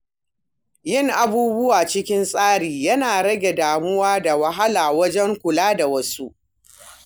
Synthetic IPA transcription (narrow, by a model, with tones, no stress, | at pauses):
jɪ˦˨ŋʔa˨buː˦bʊ˦waː˨t͡ʃɪ˦kʲɪ˦nsʼaː˦ɽiː˨jɐ˦naː˨ɽɐ˦ɡʲe˨daː˨mʊ˦waː˦da˨wɐ˦ɦa˦laː˨wɐ˦d͡ʒɛ˦ŋkʷʊ˨laː˦da˨wɐ˦su˦ʔ